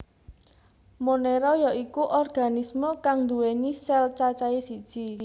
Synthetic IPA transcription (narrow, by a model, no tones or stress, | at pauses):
moneɾɔjaikuʔɔrɡ̥a̤nisməkaŋnd̪uwenisɛlt͡ʃat͡ʃaesid̥ʒ̥i